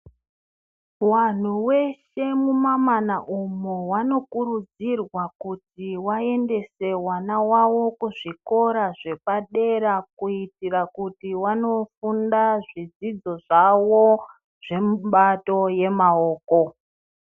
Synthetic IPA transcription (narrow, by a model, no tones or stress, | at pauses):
wan̤uwe̞ʃe̞mumamanaʔumuwano̞kuɾud͡zirwakutiwae̞nde̞se̞wanawawo̞kuʐiko̞ɾaʐe̞paɗe̞ɾakuitirakutiwano̞fundaʐid͡zid͡zo̞ʐawo | ʐ̥e̞muɓato̞je̞mao̞ːko̞